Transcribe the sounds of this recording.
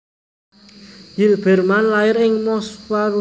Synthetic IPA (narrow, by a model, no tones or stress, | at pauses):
jilb̥ɛ̤rmanlaɪɾɪŋmɔswaɾu